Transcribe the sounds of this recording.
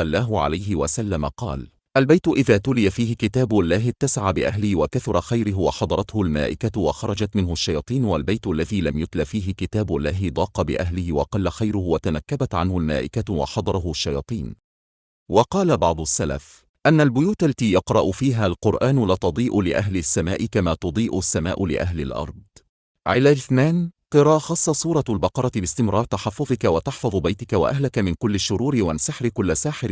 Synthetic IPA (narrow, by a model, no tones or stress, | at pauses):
ɑlˤːɑːɦʊʕa̰lajɦɪwasalːamaqɑ̰ːl | ʔalbajt̪ʊʔɪðaːt̪ʊlɪjafiːhɪkɪt̪aːbalːaːɦɪt̪ːasʕabɪʔaɦlɪhwakaθʊɾˤɑxajɾɪɦwɑħɑd̪ˤɑɾˤɑt̪hʊlma̰ːʔɪkawɑxɑɾˤɑd͡ʒat̪mɪnhʊaʃːɑjɑːt̪ˤiːnwalbajt̪ʔlːaðiːlamjʊt̪lafiːɦɪkɪt̪aːblːaːɦɪd̪ˤɑːqɑbɪ̰ʔaɦlɪhɪwɑqɑlːaxajɾʊhʊwat̪anakːabat̪ʕanhʊlma̰ːʔɪkawɑ̰ħɑd̪ˤɑɾˤɑɦʊaʃːɑjɑːt̪ˤiːn | wɑqɑːlabɑʕd̪ˤʊsːala̰f | ʔanːalbʊjuːt̪alːat̪iːjɑqɾˤɑʔʊfiːɦaːlqʊɾʔaːnʊlaːt̪ɑd̪ˤiːʔʊlɪʔaɦlɪsːamaːʔɪkamaːt̪ʊd̪ˤiːʔʊsːamaːʔʊlɪ̰ʔaɦlɪ̰lʔɑ̰ɾˤd̪̚ˤ | ʕɪlaːlɪθnaːnqɨɾˤɑːʔxɑsˤːɑsˤuːɾˤɑlbɑqɑɾˤɑt̪ɪbɪst̪ɪmɾˤɑːɾˤt̪aħɑfːʊðˤɪkawat̪ɑħfɑðˤbajt̪ɪkawa̰ʔaɦlakamɪnkʊlːɪʃːʊɾuːɾɪwansaħɾɪkʊlːasaːħɪɾ